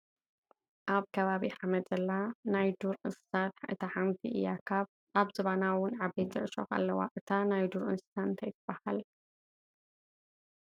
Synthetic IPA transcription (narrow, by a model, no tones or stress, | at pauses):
ʔaβkʰɐβaβiʕamɐd̪zɐlːanajd̪uɾʔɨssat̪ħɨt̪ʰɐħamt̪ʰiʔɨjːakʰaβ | ʔaβzɨβanawʊnʕabejt̪ɨʔʃo̰xa̰lːɐwa̰ʔʼɨt̪ʰanajd̪uɾʔɨ̰nsɨ̥sant̪ʰɐjt̪ʰɨb̥ːɐhal